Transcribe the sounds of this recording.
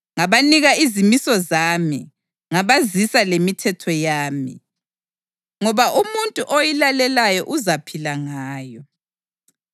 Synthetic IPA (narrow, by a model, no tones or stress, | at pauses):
ŋaβaniɣaizimisɔzami | ŋaβazisalemitʰɛtʰɔjaːmḭ | ŋɔβaʔumuntʼuʔojilalɛlajɔʔuzapʰilaŋaːjɔ